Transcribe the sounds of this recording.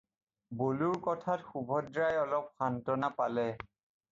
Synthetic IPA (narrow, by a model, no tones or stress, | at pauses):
boluɹkɔtʰatxubʱɔdɹajɔlɔp̚xantɔnapalɛ